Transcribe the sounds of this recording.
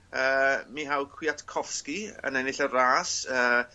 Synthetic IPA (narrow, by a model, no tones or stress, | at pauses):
əːmiɦawkʰw̥iatkʰɔfskiə̰nɛnɪɬəraːsəː